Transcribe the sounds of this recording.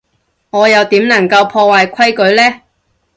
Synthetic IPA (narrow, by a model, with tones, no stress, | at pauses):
ŋɔː˨˧jɐ˨˧wt̪iː˨˥mnɐ˨˩ŋkɐ˧wpʰɔː˧waː˨jkʷʰɐ˥jkɵ˨˥ɥlɛː˥